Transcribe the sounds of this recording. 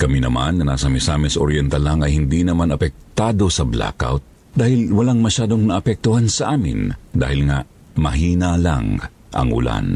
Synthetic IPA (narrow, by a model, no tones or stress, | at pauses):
kɐminɐmanŋɐna̰ːsɐmɛsaːmɪnsɐʔoɾjɛnt̪ɐlaŋɐjhɪnd̪inɐmanɐpɛk̚t̪aːd̪o̞sɐbla̰ka̰wt̪̚ | d̪aːhɪlwɐlaŋmɐʃaːd̪oŋnɐʔɐpɛk̚t̪ʊɦansɐʔaːmɪ̰nd̪a̰ːhɪlŋa̰ | mɐɦiːnala̰ŋ | ʔɐ̰ŋʔʊ̰la̰n